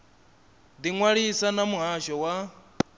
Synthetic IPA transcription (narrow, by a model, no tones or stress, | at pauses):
d̪iŋwaɺisanamuɦaʃɔwa